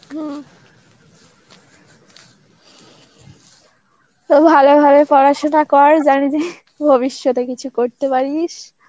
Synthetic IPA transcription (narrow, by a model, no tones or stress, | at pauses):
ɦɛ̃ | t̪obʱalobʱabepɔɾaʃonakɔɾd͡ʑanid͡ʑe | bʱoβiʃːɔt̪ekit͡ɕʰukoɾt̪epaɾiʃ